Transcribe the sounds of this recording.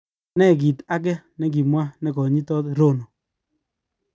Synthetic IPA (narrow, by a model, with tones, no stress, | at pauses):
nɛ˦˨k̬i˨ta˦k̬ɛ˦ | nɛ˨˦k̬i˨mwa˦nɛ˨kɔ˨ɲi˦tɔ˦tɾo˦˨no˨